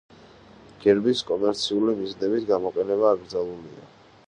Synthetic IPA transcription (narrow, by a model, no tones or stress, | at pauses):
ɡ̥ɛɾbiskʼɔmɛɾt̪sʰiulimiznɛbit̪ɡamɔqʼɛnɛβaːɡɾd̪zalˠulia̰